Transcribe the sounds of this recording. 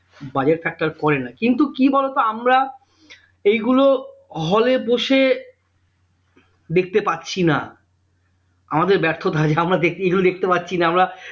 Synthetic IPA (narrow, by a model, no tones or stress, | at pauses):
bad͡ʑeʈfɛk̚ʈaɾkɔɾenakint̪ukibɔlet̪oamɾa | ejɡuloɦɔleboʃe | d̪ek̚ʰt̪epatːɕʰina | amad̪eɾbɛɾt̪ʰot̪ad͡ʑeamɾad̪ek̚ejɡulod̪ek̚ʰt̪epatːɕʰinaamɾa